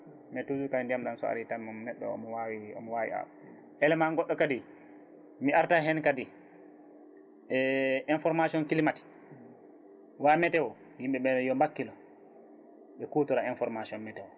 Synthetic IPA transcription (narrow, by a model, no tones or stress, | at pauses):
mɛtud͡ʒukandiamɗansɔ̰a̰ɾitamamnɛɗːɔ̰ɔ̰mɔwawiɔ̰mɔwawḭa̰ | ʔɛlɛmanɡɔɗːɔkadi | miaɾtaɦɛnkadi | ɛʔinfɔɾmasiɔnkilimati̥ | wamɛtɛwɔ | jimɓɛɓɛjɔmbakːilɔ | ɓɛkutɔɾainfɔɾmasiɔnmɛtɛwɔ